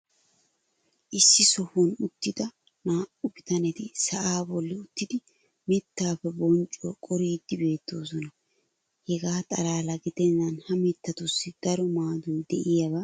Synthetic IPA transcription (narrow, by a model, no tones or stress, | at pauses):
ʔɪsːɪsɔhɔnʊt̪ːɪd̪ɐ | naːʔʊbɪt̪ɐnɛt̪ɪsɐʔaːbɔlːɪʊt̪ːɪd̪ɪ | mɪt̪ːaːfːɛbɔnt͡ʃʼːɔkʼɔɾiːd̪ːɪbe̞ːt̪ːo̞ːsɔnɐ | hɛɡaːt̪ʼɐlaːlɐɡɪt̪ɛnːɐnhɐmɛt̪ːɐt̪ʊsːɪd̪̥ɐɾɔmaːd̪ʊnd̪ɛʔɪjɐbɐ